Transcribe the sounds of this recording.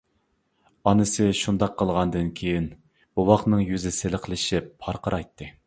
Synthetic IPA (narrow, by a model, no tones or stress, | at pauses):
ɑnɨsɨʃund̪ɑqʰːəlˠʁɑnd̪ɨnkʲʰejin | buwɑχnɨŋjyzɪselqʰəlˠɪʃɪpʰːɑɾqəɾʔɑjt̪ʰːɨ